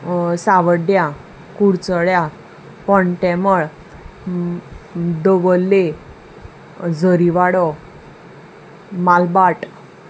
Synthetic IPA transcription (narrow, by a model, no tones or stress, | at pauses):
saʋəɖja | kuɽt͡səɭja | pɔɳʈɛməɭ | d̪əʋəlːe | d͡zʱəɾiʋaɽɔ | malbaʈ